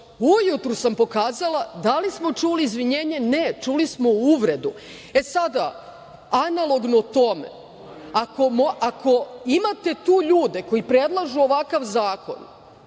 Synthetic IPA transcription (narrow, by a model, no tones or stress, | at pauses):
ujut̪ɾusampo̞kaːzalˠad̪alismo̞t͡ʃuliːzʋiɲe̞ːɲe̞ne̞t͡ʃulismo̞uʋɾe̞d̪u | e̞sad̪a | analˠo̞ɡnot̪o̞me̞̰ | ako̞moʔako̞imat̪e̞t̪uːʎuːd̪e̞ko̞jipɾe̞d̪lˠaʒuoʋakaʋzaːko̞̰n